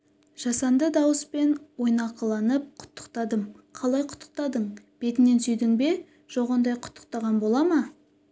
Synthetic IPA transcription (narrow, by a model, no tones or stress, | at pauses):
ʒ̥ɑsɑnd̪əd̪ɑwəspe̞nwo̞jnɑqɑlˠɑnəp̚qʰʊ̥t̪ʰːə̥qt̪ɑd̪əm | qʰɑlˠɑjqʰʊ̥t̪ʰːə̥q̚t̪ɑd̪əɴ | b̥e̞t̪ɪne̞nsʏjd̪ɪŋbe̞ | ʒ̥oʁɑnd̪ɑjqʰʊ̥t̪ʰːə̥q̚t̪ɑʁɑnbo̞lˠɑmɑ